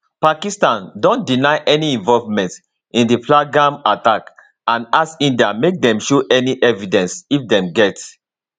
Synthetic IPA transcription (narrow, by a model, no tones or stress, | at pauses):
pakistãndõndinaɪʔɛniĩɱvɔlvmɛ̃nt | ĩndipʰlaɡãmatak | ãnasĩndiamek̚dɛ̃mʃoʔɛniʔɛvidɛ̃nsifdɛ̃mɡɛt